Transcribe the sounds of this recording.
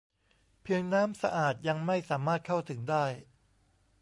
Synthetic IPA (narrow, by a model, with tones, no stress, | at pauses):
pʰi˧əŋnaː˦˥msa̰˧ʔaː˨˩t̪̚ja˧ŋma˥˩jsaː˩˦maː˥˩t̪̚kʰa˥˩wt̪ʰɯ˩˦ŋdaː˥˩j